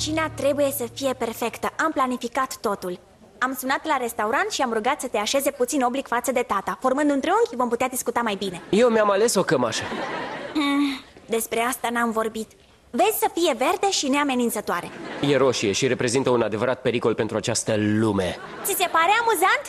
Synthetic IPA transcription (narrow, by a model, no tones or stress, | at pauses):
t͡ʃinat̪ɾe̞buje̞səfije̞pe̞rfe̞kt̪əʔamplanifikat̪ːo̞t̪ul | amsunat̪laɾe̞st̪auɾant̪ʃiamruɡat̪sət̪e̞aʃe̞ze̞put̪sino̞blikfat̪səd̪e̞t̪at̪afo̞rmɨnd̪ɨnt̪ɾeuŋkʲvo̞mput̪ead̪iskut̪amajbine̞jewmjamale̞so̞kəmaʃə | d̪e̞spɾe̞ast̪anamvo̞rbit̪ | ve̞zʲsəfije̞ve̞rd̪e̞ʃine̞ame̞nint̪sət̪oaɾe̞je̞ɾo̞ʃieʃiɾe̞pɾe̞zint̪əunad̪e̞vəɾat̪̚pe̞ɾiko̞lpe̞nt̪ɾuat͡ʃast̪əlume̞ | t̪sise̞paɾe̞amuzant̪